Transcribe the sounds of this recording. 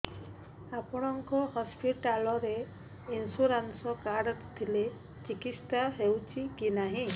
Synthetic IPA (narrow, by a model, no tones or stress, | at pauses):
apɔɽ̃ɔŋkɔhɔspiʈalɔɾe | insuɾansɔkaɾɖt̪ʰile | t͡ʃikit̪staɦewt͡ʃʰikinaɦĩ